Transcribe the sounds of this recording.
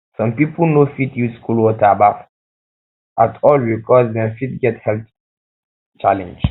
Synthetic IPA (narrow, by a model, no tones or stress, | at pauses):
sɔ̃mpipəlnofitjuskulwɔtaba | ʔatʰɔlbikʰɔsdɛ̃fitɡɛthɛlt | t͡ʃalɛ̰̃nd͡ʒ